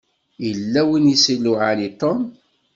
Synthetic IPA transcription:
jəlːæwinisilːʊʕalit̪om

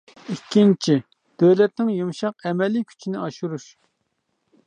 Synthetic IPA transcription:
ikʲːint͡ʃʰi | d̪̥øwlɛt̪̚nɪŋjumʃɑqɛmɛlːikʲʰy̥t͡ʃʰinɪɑʃuɾuʃ

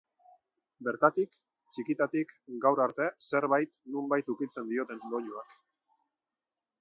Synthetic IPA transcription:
be̞ɾt̪at̪ik | t͡ʃikit̪at̪ikɡawɾaɾt̪e̞se̞ɾβajt̪numbajt̪ukit͡se̞nd̪io̞t̪e̞nlo̞ʎuak

